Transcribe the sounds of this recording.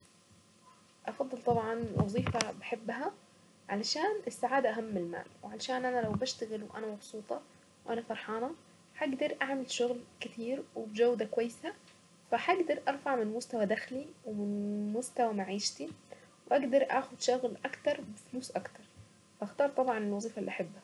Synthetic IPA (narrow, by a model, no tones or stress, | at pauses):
ʔɑfɑd̪ˤːɨlt̪ˤɑbʕɑnwʔɑ̰zˤiːfabaħɪbːɦa | ʕalaʃaːnɪsːaʕaːd̪aʔaɦamːɪlma̰ːlwʕalaʃaːnʔanalawbaʃt̪aɣɪlwʔa̰namɑbsˤuːt̪ˤɑ | wʔanafɑɾˤħɑːnɑ | ħaɡd̪ɑɾˤʔaʕmɪlʃʊɣlkɪt̪ʰiːɾwɪbd͡ʒawd̪akwajːɪsa | faħaɡd̪ɑɾˤʔɑɾˤfaʕmɪnmʊst̪awad̪axliwɪmɪnmʊst̪awamaʕiːʃt̪i | wʔaɡd̪ɑɾˤʔaːxʊd̪ʃʊɣlʔɑkt̪ɑɾˤbɪfluːsʔɑkt̪ɑɾˤ | fʔaxt̪ɑːɾˤt̪ˤɑbʕɑnɪlwɑzˤiːfaʔlːiʔaħɪbːha